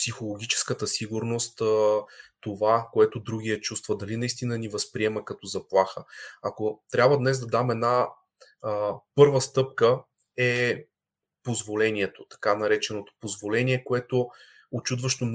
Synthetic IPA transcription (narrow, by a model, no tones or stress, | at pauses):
psixolˠoɡ̟ʲit͡ʃɛ̥skət̪əsiɡuɾnost̪ | t̪ovakoɛt̪od̪ɾuɡ̟ʲiɛt͡ʃust̪vəd̪ɐlinɐist̪inənivɐspɾiɛməkɐt̪ɔzɐplˠaxəɐkot̪ɾʲjabvəd̪nɛszd̪ɐd̪amɛd̪na | pɤɾvəst̪ɤp̚kə | ɛ | pozvolɛniɛt̪ot̪ɐ̥kanɐɾɛt͡ʃɛnot̪o̥pozvolɛnʲiɛkoɛt̪o | ot͡ʃud̪vəʃt̪on